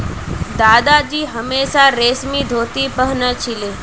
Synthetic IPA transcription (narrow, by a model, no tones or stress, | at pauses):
d̪aːd̪ad͡ʒiːɦəmeːʃaɾeːsmid̪ʱoːt̪ipəɦnət͡ʃʰile